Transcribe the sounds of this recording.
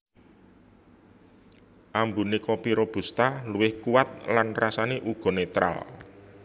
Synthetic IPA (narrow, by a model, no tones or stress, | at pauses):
ʔambunekɔpiɾɔb̥ṳst̪aluwɪhkuwat̪̚lanrasaneʔuɡ̥ɔ̤net̪ɾa̰l